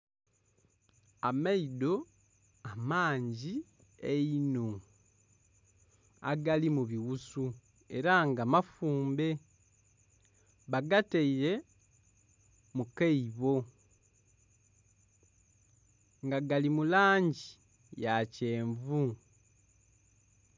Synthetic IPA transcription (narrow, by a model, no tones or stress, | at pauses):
ameido̞ | amaːɲɟi | eino | a̰ɡalimuβiwusu | e̞ɾaŋɡamafuːmbe̞ | βaɡateiɾe̞ | mukeiβo̞ | ŋɡaɡalimulaːɲɟi | jace̞ːɱvu